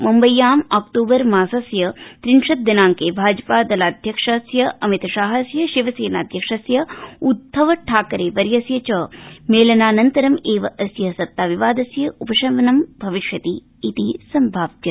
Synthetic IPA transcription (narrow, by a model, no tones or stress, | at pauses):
mumbɐjːaːmaːk̚ʈoːbɐɾmaːsɐsjɐt̪ɾinʃɐt̪̚d̪ɐnaːŋkeːbʱaːd͡ʒɐpaːd̪ɐlaːd̪ʱjɐkʂɐsjɐɐmit̪ɐʃaːɦɐsjɐʃiʋɐseːnaːd̪ʱjɐkʂɐsjɐud̪ːɐʋɐʈʰaːkɐɾeːpɐɾjɐsjɐt͡ʃɐmeːlɐnaːnɐnt̪ɐɾɐmeːʋɐʔɐsjɐsɐt̪ːaːʋiʋaːd̪ɐsjɐupɐʃɐʋɐnɐmbʱɐʋiʃjɐt̪iː | t̪isɐmbʱaːb̚d͡ʒɐ